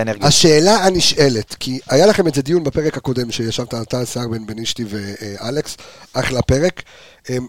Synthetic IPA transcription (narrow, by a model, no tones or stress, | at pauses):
neɡaʃe̞ːlaaniʃe̞le̞tkʰiajalaχe̞mezed̪ijunbape̞ʁekhako̞demʃejaʃavtaːtasaʁbe̞nbeniʃtivealeksʔaχlape̞ʁe̞k | em